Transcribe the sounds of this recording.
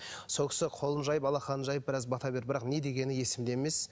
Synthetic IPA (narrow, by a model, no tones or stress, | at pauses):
so̞lˠkʲɪ̥sɪqʰo̞lˠənʒɑjəpɑlˠɑχɑnənʒɑjəp̚bɪɾɑzbɑt̪ɑbe̞ɾbɪɾɑqne̞d̪e̞ɡʲe̞nɪje̞sɪmd̪eme̞s